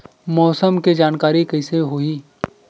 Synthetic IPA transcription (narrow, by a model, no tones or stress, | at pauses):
mɔːsəmkid͡ʒaːnkaːɾikɐɪseɦoːiː